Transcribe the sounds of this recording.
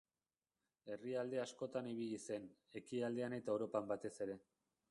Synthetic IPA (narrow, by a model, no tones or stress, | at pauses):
e̞riald̪e̞asko̞t̪aniβ̞iʎise̞n | e̞kiald̪e̞ane̞t̪aewɾo̞pambat̪e̞se̞ɾe̞